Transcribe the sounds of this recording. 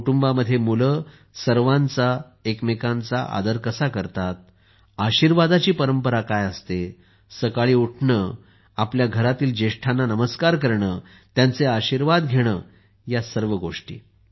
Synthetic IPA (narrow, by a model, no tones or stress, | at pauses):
uʈumbaməd̪ʱːjemulə | səɾʋãnt͡sa | ekmekãnt͡sa̰ʔa̰d̪əɾkəsakəɾt̪at̪̚ | aɕiːɾʋad̪at͡ɕiːpəɾəmpəɾakajəst̪e | səkaɭiːuʈʰɳəː | apljaɡʱəɾat̪iːld͡ʑeʂʈʰanːanəməskaɾk̬əɾɳəː | t̪jant͡seaɕiɾʋad̪ɡʱeɽ̃əː | jasəɾʋəɡoʂʈḭː